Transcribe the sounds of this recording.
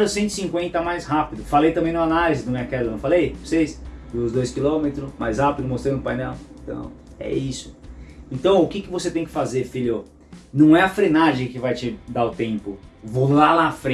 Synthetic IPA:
ɾʊsẽnt̪ʊɪ̥sĩŋkwẽnt̪ɐmajsɦapid̪ʊfalejt̪ɐ̃mbẽj̃nʊanalizɪnɐ̃w̃ɛɐkɛllɐnɐ̃w̃falejvosejsd̪uʊzd̪ojskilõmet̪ɾʊma̰jzhapid̪ʊmost̪ɾɐ̃nʊpajnɛw̃t̪ɐ̰̃w̃ɛ̰isʊ̥ẽt̪ɐ̃w̃ʊkɪkɪvoset̪ẽj̃kɪ̥fazeɾfiʎʊ | nɐ̃w̃ɛɐfɾenaʒẽj̃kɪvajt͡ʃɪd̪aɾʊt̪ẽpʊvolalaafɾẽ

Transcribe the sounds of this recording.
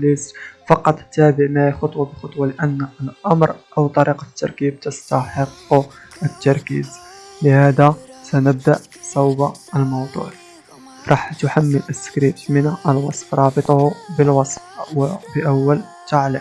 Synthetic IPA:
lisfɑqɑt̪ˤt̪ːæbəʕmæhixɑt̪ˤwɑbəxʊt̪ˤwɑləʔənːəlʔɑmɾʔawt̪ˤɑɾiqɑt̪ːɑ̰ɾˤkib̚t̪əst̪ɑħəqː | ʔət̪ːɑɾˤkḭːzləhæd̪æsænəb̚d̪aʔ | sˤɑwba | əlmɑwd̪ˤṵʕ | ɾˤɑːħt̪ʊħamːəlʔəskɾib̚t̪mənʔəlwɑsˤfɾˤɑbət̪ˤɑhbəlwɑsˤfwbəʔæwːəl | t̪aʕlə

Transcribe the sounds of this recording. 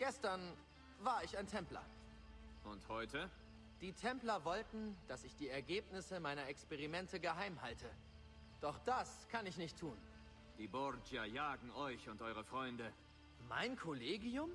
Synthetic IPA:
ɡ̥ɛstɐn | vaːɐɪçaɪntʰɛmplɐ̰ | ʔʊnthɔʏtə | d̥iːtʰɛmplɐvɔltn̩d̥asɪçd̥iːɛɐɡeːpnɪsəmaɪnɐɛkspɛʁimɛntəɡəɦaɪmhaltʰə | d̥ɔχd̥askʰanɪçnɪçtʰːuːn | d̥iːbɔʁd͡ʒiajaːɡŋ̩ɔʏçʊntʔɔʏʁ̞əfʁ̥ɔʏndə | ma̰ɪnkʰoleːɡiʊm

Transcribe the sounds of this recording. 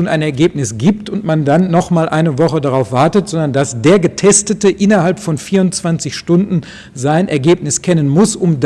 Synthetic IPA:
unaɪnɛɐɡeːpnɪsɡ̥iːp̚tʊntmandanːɔχmaːlʔaɪnəvɔχədaʁaʊfv̥aɐtətz̥ɔndɐndasd̥eːɐɡətʰɛstətəʔɪnɐɦalpfɔnfiːɐʊntt͡sv̥ant͡sɪçʃtʊndn̩ | zaɪnʔɛɐɡeːp̚nɪskʰɛnənmʊsʔʊmd

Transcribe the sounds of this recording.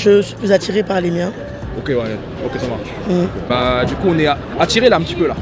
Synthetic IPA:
ʒəsə̥fizat̪iʁepaʁlemjɛ̃ | okʲewɛ | okʲesɔ̃ma | m̩bad̪ykuɔ̃nɛa | at̪iʁelaɛ̃pət̪ipøla

